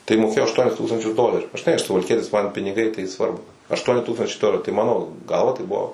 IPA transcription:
tɐɪ moːˈkʲeːjoː ɐʃˈtuɔnʲɪs ˈtuːkstɐnʲt͡ʃʲʊs ˈdoːlʲɛrʲʊ ʒʲɪˈnɐɪ ɐʃ sʊʋɐlʲˈkʲiɛtʲɪs mɐn pʲɪnʲɪˈɡɐɪ tɐɪ ˈsʋɐrbʊ ɐʃˈtuɔnʲɪ ˈtuːkstɐnʲt͡ʃʲɛɪ ˈdoːlʲɛrʲʊ tɐɪ ˈmɑːnoː ˈɡɐlˠʋɐ tɐɪ ˈbʊʋoː

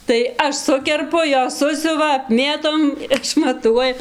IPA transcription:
tɐɪ ˈɐʃ ˈsʊkʲɛrpʊ ˈjoːs ˈsʊsʲʊʋɐ ɐpʲˈmʲeːtoːm ɪʃmɐˈtuɔjɛ

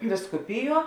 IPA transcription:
ʋʲɪskʊˈpʲɪˌjuɔ

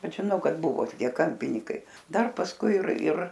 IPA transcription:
ˈbʲɛt ʒʲɪˈnɐʊ ˈkɐt ˈbʊʋoː toːˈkʲiɛ ˈkɐmʲpʲɪnʲiːkɐɪ ˈdɐr pɐsˈkʊɪ ɪr ɪr

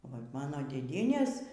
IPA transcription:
ʋɐt ˈmɑːnoː dʲeːˈdʲiɛnʲeːs

